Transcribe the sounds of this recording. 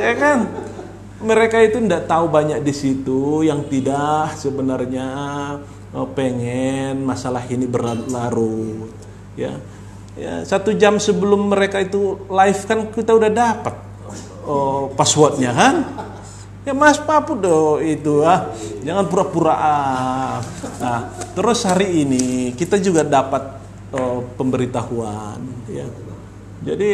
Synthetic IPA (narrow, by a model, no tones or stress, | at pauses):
akan | məɾekait̪uəndaʔt̪aubaɲak̚disit̪ujaŋt̪idahsəbənarɲa | əpeŋɛnmasalahinibəralaɾu | ja̰ | ja̰sat̪ud͡ʒamsəbəlʊmːəɾekait̪ulaɪfkankit̪audahdapat̪̚ | əpasuat̪̚ɲakan | jamaspapʊdɔit̪ujahd͡ʒaŋanpuɾapuɾaʔa | naht̪əɾʊshaɾiːnikit̪ad͡ʒuɡadapat̪̚ | əpəmbəɾit̪ahuanja̰ | d͡ʒadi